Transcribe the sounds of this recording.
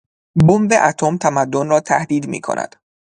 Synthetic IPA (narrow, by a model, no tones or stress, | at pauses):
bomveʔæt̪ʰomt̪ʰæmæd̪ːonrɒːt̪ʰæhd̪iːd̪mḭːkʰo̞̰nʔæ̰d̪̥